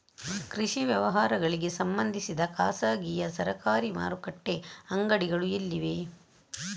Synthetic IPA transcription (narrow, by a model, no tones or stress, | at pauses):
kɾiʂiʋjɐʋɐɦaːɾɐɡɐɭiɡe̞sɐmbɐnd̪ʱisid̪ɐkaːsaːɡiːjɐsɐɾɐkaːɾima̰ːɾukɐʈːe̞ɐŋɡɐɽiɡɐɭuilːiʋe̞